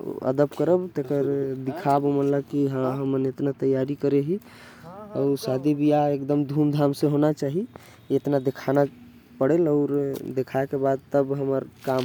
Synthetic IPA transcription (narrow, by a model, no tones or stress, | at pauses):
ə̰d̪əpkəɾəbt̪ekəɾd̪ikʰabomənləbkiɦãɦəmənet̪nat̪əjːaɾikəɾeɦi | əʊɾsad̪ibijaekd̪əmd̪ʱumd̪ʱamseɦonat͡ʃaɦi | et̪nad̪ekʰana | pəɽeləʊɾd̪ekʰaekebad̪̚t̪əbɦəməɾkam